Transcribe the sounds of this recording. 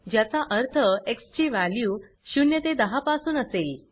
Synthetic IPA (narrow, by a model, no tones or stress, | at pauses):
d͡ʑjat͡saʔəɾt̪ʰəekst͡ɕiːʋaljuː | ɕunjət̪ed̪əɦapasuːnəsel